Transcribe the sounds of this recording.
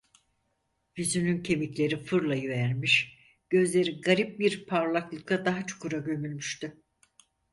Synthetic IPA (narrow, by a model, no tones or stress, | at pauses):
vizynyncʰe̞miclʲe̞ɾifɯɾlˠajyvæɾmiʃ | ɟ̥ø̞zlʲe̞ɾiɡaɾip̚biɾpʰaɾlˠaklˠɯklˠad̪aɦat͡ʃʰu̥kuɾaɟø̞mylʲmyʃt̪y